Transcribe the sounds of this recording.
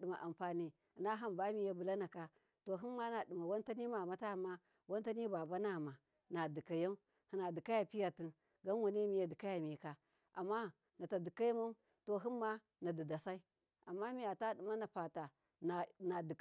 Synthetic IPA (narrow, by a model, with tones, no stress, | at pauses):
ɗi˨ma˨ʔa˨mpa˨ni˦˨ | na˦ɦa˦mba˦mi˨ja˦bu˨la˦na˨ka˦ | to˨ɦi˦m˦ma˦na˨di˨ma˨wa˦n˦ta˦ni˦ma˨ma˦ta˦˨ma˦ | wa˦nta˦ni˦ba˨ba˦na˨ma˨ | na˨di˨ka˨ja˦ | hi˨na˨di˨ka˦ja˨pi˦ja˨ti˨n | ɡa˦n˦wa˨ni˦mi˨ja˨di˨ka˦ja˨mi˨˦ka˨ | a˨mːa˦ | na˨ta˨di˨ka˦ji˦ma˦u˦ | to˨ɦi˦nː˦a˦ | na˨di˨da˨sa˦i˦ | a˨mːa˦mi˨ja˨ta˦ɗi˨ma˦na˨pa˨ta˨ | na˨na˨di˨